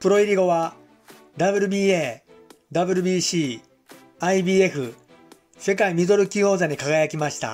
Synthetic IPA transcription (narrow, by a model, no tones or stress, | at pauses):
pɯ̟ɾo̞iɾʲiɡo̞βa | d̪abɯ̟ɾɯ̟bʲiːeː | d̪abɯ̟ɾʲɯ̟bʲiːɕiː | aibʲiːe̞ɸɯ̟ | se̞kaimʲizo̞ɾɯ̟kʲio̞ːzaɲ̟ikaɡajakʲimaɕi̥t̪a̰